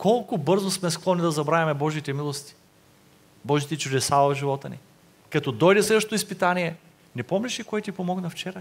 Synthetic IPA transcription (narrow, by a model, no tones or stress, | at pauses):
kʰɔlˠkʊbɤɾzosmɛsklˠɔnʲid̪ɐzɐbɾavʲɐmɛbɔʒit̪ɛmilˠost̪i̥ | bɔʒit̪ɛt͡ʃʊd̪ɛsavɐvʒivɔt̪ənḭ | kɐt̪ɔd̪ɔjd̪ɛslɛd̪vəʃt̪ot̪ʊispit̪aniɛ | nɛpɔmlʲɛʃikoɛt̪ipomɔɡnɐft͡ʃɛɾə